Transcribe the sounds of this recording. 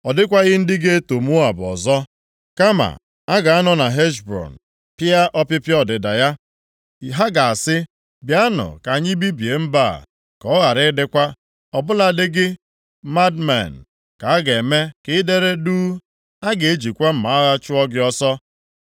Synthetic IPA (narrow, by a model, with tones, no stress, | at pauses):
ɔ˨dɪ˦kʷa˦ɣɪ˦n̩˦dɪ˦ɡe˦to˨m˦ʊ˦a˨bɔ̰˨zɔ˦ | ka˦ma̰˨ | a˦ɡa˨a˦nɔ˨na˨ɦe˦ʃbɾɔ̰˨n̩˨ | pɪ˦a˦ʔɔ˦pɪ˦pjɔ˦dɪ˨da˨ja˦ | i˨ɦa˦ɡa˨a˨sɪ˦ | bja˦nʊ̰˨ka˨ɲɪ˦bi˦bje˨m̩˦ba˦˨ | kɔ˨˦ɣa˨ɾɪ˦dɪ˦kʷa˦ | ɔ˨bʊ˦la˨dɪ˦ɡɪ˦ | ma˦dma̰˨n̩˨ | ka˨a˦ɡe˨me˦kɪ˦de˦ɾe˦duː˦ | a˦ɡe˨e˦d͡ʒi˨kʷa˦m̩˨ma˨˦a˦ɣa˦t͡ʃʊ˦ɔ˦ɡɪ˦ɔ˦sɔ˦